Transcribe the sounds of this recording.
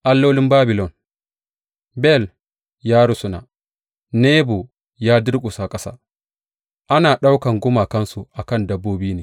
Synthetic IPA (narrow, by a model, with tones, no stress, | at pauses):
ʔa˨lːo˦lɪ˦mbaː˦bɪ˨lɔ˨n | bɛ˦˨l | jaː˦ɽʊ˦sʊ˨na̰˨ | neː˦bo˨ | jaː˦dɪ˦ɽkʷʼʊ˨saː˦kʼɐ˦sa̰ː˦ | ʔa˦naː˨ɗa˦wkɐ˨ŋɡʷʊ˦maː˨kɐ˦nsu˨ʔa˨kɐ˦˨ndɐ˦bːoː˦biː˦neː˨